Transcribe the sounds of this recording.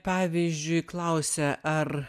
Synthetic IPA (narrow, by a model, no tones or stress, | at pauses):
pɑːʋʲiːzʲd͡ʒʲʊɪklˠɐʊsʲɛʔɐr